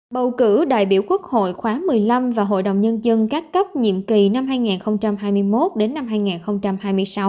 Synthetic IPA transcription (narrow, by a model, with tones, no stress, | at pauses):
ɓə˨˩wkɨ˧˩ɗa̰ː˧˨jɓḭ˧˩əwku˦˥ək̚ho̰˧˨jxwaː˨˦mɨ˨˩əjla˧mvaː˨˩ɦo̰˧˨jɗə̰˧˨wŋ͡mɲə˧nzə˧nkaː˦˥k̚kə˦˥p̚ɲḭ˧˨əmki˨˩na˧mɦaː˧jŋaː˨˩nxə˧wŋ͡mt͡ɕa˧mhaː˧jmɨ˧əjmo˦˥t̚ɗe˨˦nːa˧mɦaː˧jŋaː˨˩nxə˧wŋ͡mt͡ɕa˧mhaː˧jmɨ˧əjsa˨˦w